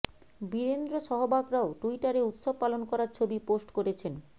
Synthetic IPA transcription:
biɾend̪ɾoʃɔɦobaɡɾaoʈuiʈaɾeut̪ʃob̚pːalonkɔɾaɾt͡ɕʰobiposʈkoɾet͡ɕʰen

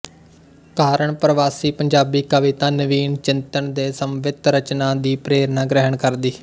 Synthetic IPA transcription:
kaːɾəɳpɾəʋaːsiːpəɲd͡ʒaːbiːkəʋɪt̪aːnəʋiːnt͡ʃɪnt̪əɳd̪eːsəmʋɪt̪ɾət͡ʃnaːd̪iːpɾeːɾnaːɡɾəɦəɳkəɾd̪iː

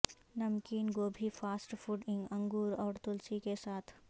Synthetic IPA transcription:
nɐmkiːnɡoːbʱifaːsʈfuʈɪ̃ŋɡɐ̃ŋɡuːɾɔːɾt̪ʊlsikesaːt̪ʰ

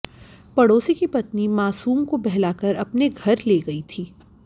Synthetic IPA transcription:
pɐɽoːsikipɐt̪nimaːsuːmkobɛɦlaːkəɾɐpneɡʱɐɾleːɡɐit̪ʰiː

